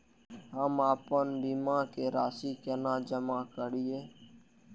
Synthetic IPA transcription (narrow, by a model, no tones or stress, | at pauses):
ɦaːmaːpənb̪iːmãːkeːɾaːsiːkeːnãːd͡ʒəmãːkəɽiːeː